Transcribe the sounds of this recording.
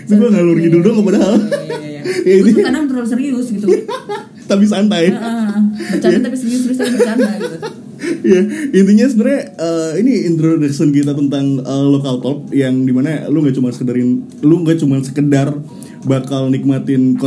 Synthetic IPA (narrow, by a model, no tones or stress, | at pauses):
t̪uɡuaŋalurɡiduk̚dʊŋkəp̬adaɦal | jaint̪iɲaanant̪ɾos̬əɾiʊsɡit̪u | t̪ap̬is̬ant̪aj | bət͡ʃaat̪apisəɾiʊsdst̪aibant̪a | jaint̪̬iɲas̬onərɲaəiniint̪ɾodəksənk̬it̪̬at̪ənt̪aŋəlokalt̪ɔp̚jaŋdimanaluŋɡaʔt͡ʃumansə̥kədaɾɪn | luŋɡat͡ʃumansə̥kədar | bakalnik̚mat̪ɪnk